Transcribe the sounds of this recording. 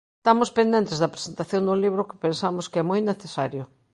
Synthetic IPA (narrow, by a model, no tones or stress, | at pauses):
st̪amʊspend̪ent̪ezðɐpɾesent̪aθjond̪ʊliβɾʊkɪ̥pensamʊskeɛmojneθesaɾjʊ